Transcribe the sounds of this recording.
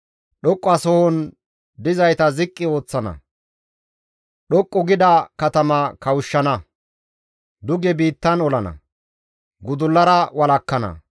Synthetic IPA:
ɗɔkʼːɔɐsɔhɔn | d̪ɪzɐjt̪ɐzɪkʼːɪo̞ːt͡sːɐnɐ̰ | ɗɔkʼːɔɡɪd̪ɐkɐt̪ɐmɐkɐwʊʃːɐnɐ | d̪ʊɡɛbiːt̪ːɐnɔlɐnɐ̰ | ɡʊd̪ʊlːɐɾɐwɐlɐkːɐnɐ̰

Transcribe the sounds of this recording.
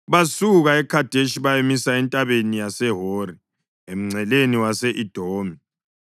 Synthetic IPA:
βasuɣaɛkʰad̥ʱeʃiβajemisaɛntʼaβenijasɛɦoːri | em̩ŋ͡ǀʱɛleniwasɛʔid̥ʱoːmi

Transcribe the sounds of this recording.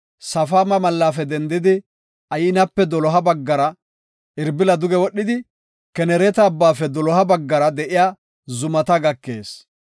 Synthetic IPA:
sɐfaːmɐmɐlːaːfɛd̪ɛnd̪ɪd̪ɪ | ɐjɪnɐpːɛd̪ɔlɔɦɐbɐɡːɐɾɐ | ʔɪɾbɪlɐd̪ʊɡɛwɔɗːɪd̪ɪ | kɛnɛɾɛt̪ɐːbːaːfɛd̪ɔlɔɦɐbɐɡːɐɾɐd̪ɛʔɪjaː | zʊmɐt̪ɐɡɐkːe̞̰ːs

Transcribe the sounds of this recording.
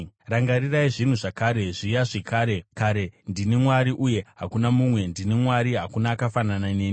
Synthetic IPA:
raŋɡariraiʐin̤uʐakaːɾe̞ʐijaʐekaːɾe̞kaɾe̞ndinemwaɾiʔuje̞ɦakunamumwe̞ndinemwaɾiɦakunaːkafanananeːni

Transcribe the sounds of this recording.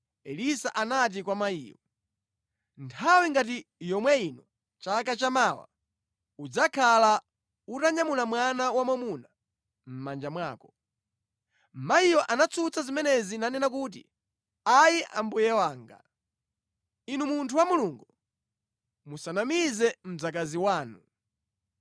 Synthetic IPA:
ɛlisaʔanat̬ikwamaḭːjɔ̰ | ntʰawiŋɡat̬ijɔmwɛinɔ | t͡ʃakat͡ʃamaːwa̰ | ud͡zakʰala | utaɲamulamwanawamamuna | m̩mand͡ʒamwa̰ːkɔ | maijɔʔanat͡sʰut͡sazimɛnɛzinanɛnak̬uːt̬ḭ | ajiʔa̰mbujɛwaːŋɡa̰ | inumuntʰuwamuluŋɡu | musanamizɛm̩d͡zak̬aziwaːnu

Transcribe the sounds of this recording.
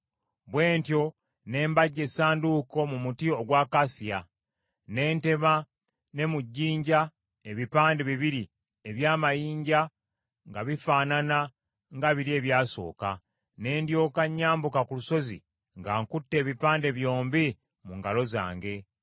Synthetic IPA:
βwe̞ːntjo̞ | ne̞ːmbaɟːe̞saːnduːko̞mumutio̞ɡwaːkasija | ne̞ːnte̞ma | ne̞muɟːiːɲɟa | eβipaːndeβiβiɾi | eβjaːmajiːɲɟa | ŋɡaβifaːnana | ŋɡaβiɾie̞ːβjaːso̞̰ːka̰ | ne̞ːndjo̞ːkaɲːaːmbukakuluso̞zḭ | ŋɡaːŋkutːe̞ːβipaːnde̞βjo̞ːmbi | muŋɡalo̞za̰ːŋɡe̞

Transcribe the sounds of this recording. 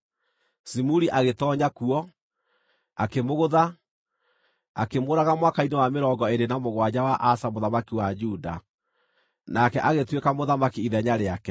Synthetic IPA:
simuɾiʔaɣetɔɲakuɔ | akemoɣoða | akemoːɾaɣamwakainewameɾɔŋɡɔeɾenamoɣwad͡ʑawaʔasamoðamakiwad͡ʒuda̰ | nakɛʔaɣetwekamoðamakiiðɛɲaɾeakɛ

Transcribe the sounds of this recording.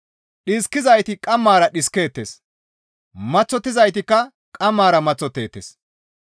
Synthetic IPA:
ɗɪskːɪzɐjt̪ɪkʼɐmːaːɾɐɗɪskeːt̪ːes | mɐt͡sːɔt̪ːɪzɐjt̪̬ɪkːɐ | kʼɐmːaːɾɐmɐt͡sːɔt̪ːe̞ːt̪ːeːs

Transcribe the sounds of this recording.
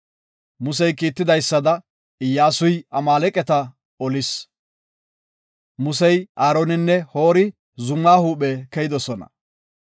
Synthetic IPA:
mʊsɛjkiːt̪ːɪd̪ɐjsːɐd̪ɐ | ɪjːaːsʊjɐmaːlɛkʼɛt̪ɐ | ɔlɪs | mʊsɛjʔaːɾonɪnːɛho̞ːɾɪ | zʊmːaːhuːɓɛkɛjɪd̪ɔsɔnɐ̰

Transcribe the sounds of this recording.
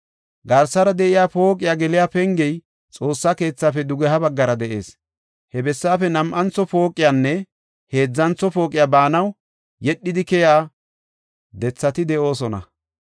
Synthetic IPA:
ɡɐɾsɐɾɐd̪ɛʔɪjaːfo̞ːkʼɪjaɡɛlɪjaːpɛŋɡɛj | t͡sʼo̞ːsːake̞ːt͡sːaːfɛd̪ʊɡɛɦɐbɐɡːɐɾɐd̪ɛʔe̞̰ːs | hɛbɛsːaːfɛnɐmʔɐnt͡sːɔpo̞ːkʼːɪjaːnːɛ | he̞ːd͡zːɐnt͡sɔpo̞ːkʼɪjabaːnɐw | jɛɗːɪd̪ɪkɛjaː | d̪ɛt͡sːɐt̪ɪd̪ɛʔo̞ːsɔnɐ̰

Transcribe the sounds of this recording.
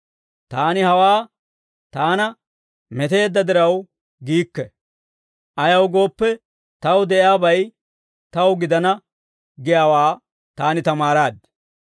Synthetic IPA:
t̪aːnɪhɐwaː | t̪aːnɐ | mɛt̪e̞ːd̪ːɐd̪ɪɾɐw | ɡiːkːɛ | ʔɐjɐwɡo̞ːpːɛ | t̪ɐwd̪ɛʔɪaːbɐj | t̪ɐwɡɪd̪ɐnɐ | ɡɪjaːwaː | t̪aːnɪt̪ɐmaːɾaːd̪

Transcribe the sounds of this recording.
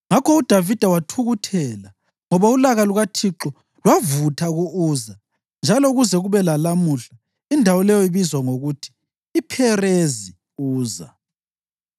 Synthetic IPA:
ŋakʰɔud̥ʱavid̥ʱawatʰuɣutʰɛːla | ŋɔβaulaɣaluɣatʰiǁɔ | lwavutʰaɣuʔuːza | nd͡ʒʱalouɣuzɛɣuβɛlalamuɬa | indʱawɔlɛjɔiβizwaŋoɣutʰi̥ː | pʰɛrezi | uːza̰

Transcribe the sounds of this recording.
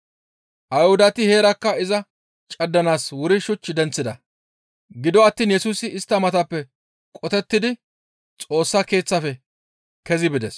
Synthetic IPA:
ʔɐjhʊd̪ɐt̪ɪhe̞ːɾɐkːɐɪzɐ | t͡ʃʼɐd̪ːɐnaːswʊɾɪʃʊt͡ʃːɪd̪ɛnt͡sːɪd̪ɐ | ɡɪd̪ɔɐt̪ːiːnjɛsuːsɪɪst̪ːɐmɐt̪ɐpːɛ | kʼɔt̪ɛt̪ːɪd̪ɪ | t͡sʼo̞ːsːake̞ːt͡sːɐfɛ | kɛzɪbɪd̪ɛs

